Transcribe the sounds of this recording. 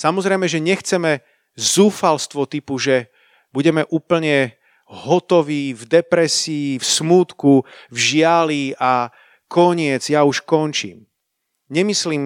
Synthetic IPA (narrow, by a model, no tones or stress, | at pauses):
samɔzɾɛjmɛʒɛɲɛxt͡sɛmɛ | zuːfalst̪ʋɔt̪ipuʒɛ | buɟɛmɛʔuːpl̩ɲɛ | ɦɔt̪ɔʋiːvd̪ɛpɾɛsiːfsmuːt̪kuvʒɪaliʔa | kɔɲɪɛd͡zjauʃkɔnt͡ʃḭːm | ɲɛmisliːm